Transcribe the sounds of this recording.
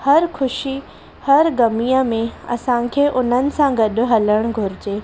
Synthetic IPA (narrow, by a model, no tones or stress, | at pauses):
hɐɾxʰʊʃi | hɐɾɡɐmijəmẽɐ̰sãkʰeːʔʊn̤ənɪ̆sãɡɐɗʊ̆ɦɐləɽ̃ɡʱʊɾɪd͡ʑeː